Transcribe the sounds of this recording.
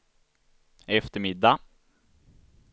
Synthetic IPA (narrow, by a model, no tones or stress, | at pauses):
ɛft̪əɾmɪd̪ːa